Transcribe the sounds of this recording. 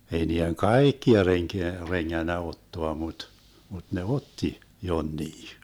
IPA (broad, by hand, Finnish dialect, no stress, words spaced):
ei niːeŋ kɑˑikːiɑ reŋkeæ reŋːænːæ otːoɑ mut mut ne otːi jonːiː